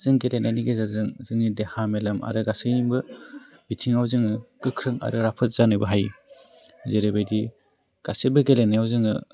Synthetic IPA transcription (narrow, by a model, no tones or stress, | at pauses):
zɯŋɡelenajniɡezazɯŋzɯŋnidehamelɐma̰ɾɯɡasɯjimbɯ | bitʰiŋawzɯŋɯkɯkʰɾɯŋa̰ɾɯɾapʰɯt̚z̥anɯjbɯɦaj | zeɾebajdi | ɡ̥asebɯɡelenːajawzɯŋɯ